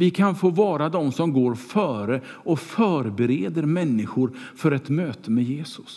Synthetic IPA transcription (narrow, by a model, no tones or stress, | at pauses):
vɪkʰanfoːvɑːɾad̪ɔmsɔmɡoːɾfœːɾəɔfœːɾbɛɾeːd̪əɾmɛnːɪɧʊɾfœɾɛt̪møːt̪əmɛjeːsʊ̥s